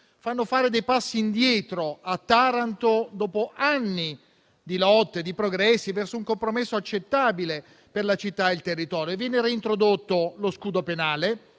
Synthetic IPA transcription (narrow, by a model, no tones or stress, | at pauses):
fanːofaːɾed̪ejpasːiːnd̪jɛːt̪ɾoat̪ːaɾant̪od̪ɔːpoʔanːi | d̪ilɔt̪ːed̪ipɾoɡɾɛsːivɛrsouŋkompɾomesːoat͡ʃːet̪ːaːbile | perlat͡ʃit̪ːaelt̪erːit̪ɔːɾjoevjɛːneɾiːnt̪ɾod̪ot̪ːoloskuːd̪openaːle